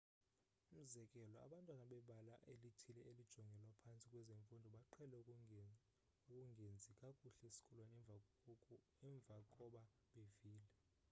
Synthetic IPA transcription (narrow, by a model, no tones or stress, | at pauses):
um̩zɛkʼɛlɔa̰ɓantʼwanaɓɛɓala̰ʔelitʰilɛelid̥ʒ̥ʱɔŋɡʱɛlwapʰant͡sʼikʼwɛzeɱfundʱɔɓaǃʰɛlɛ | ukʼuŋɡʱend͡zʱikʼakʼuɬesi̥kʰʼɔlwan | ɛɱb̪vʱakʼɔɓa | ɓeviːlɛ